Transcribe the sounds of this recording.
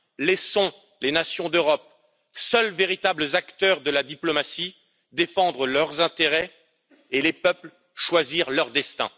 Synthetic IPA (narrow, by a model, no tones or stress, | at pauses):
lɛsɔ̃ | lenasjɔ̃d̪øʁɔp̚ | sœlveʁit̪abləzakt̪œʁd̪əlad̪iplɔmasi | d̪efɑ̃d̪ʁəlœʁzɛ̃t̪eʁɛ | elepœpl | ʃwaziʁlœʁd̪ɛst̪ɛ̰̃